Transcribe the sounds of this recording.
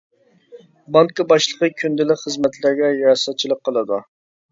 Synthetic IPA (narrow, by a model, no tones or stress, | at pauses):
bɑŋkɑbɑʃlˠəqəkʲʰynd̪ɪlɪkʲχəzmɛt̪ʰlɪɾɡʲɛjɑɾɑsɑt̪̚t͡ʃʰilˠəq̚qʰːəlˠɨd̪u